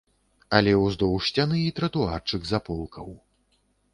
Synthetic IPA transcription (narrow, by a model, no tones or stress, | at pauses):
ɐlʲɛwzd̪ɔwʂt͡sʲanɨit̪ɾɐt̪uart͡ʂɨkzapɔlˠkʰɐw